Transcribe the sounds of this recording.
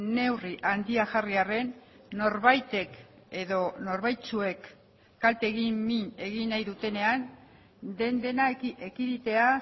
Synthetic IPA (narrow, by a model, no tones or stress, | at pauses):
ne̞wriʔand̪iaʝariare̞nːo̞ɾβajt̪e̞ke̞ðo̞no̞ɾβajt͡sue̞kː | alt̪e̞ːɣimmine̞ɣinajðut̪e̞ne̞an | d̪e̞nd̪e̞naekiðit̪e̞a